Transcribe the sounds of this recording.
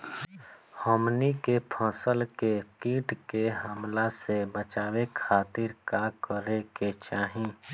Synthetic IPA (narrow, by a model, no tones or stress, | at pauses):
hɔːmnikepʰãːsəlkekiːʈkeɦəmlasebət͡ʃaːwekʰaːt̪ɪɾkakəɾeket͡ʃaːɦĩː